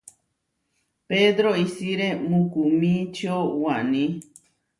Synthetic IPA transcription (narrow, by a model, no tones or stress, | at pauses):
ped̪ɾoisiɾemũkumĩt͡ʃowanĩ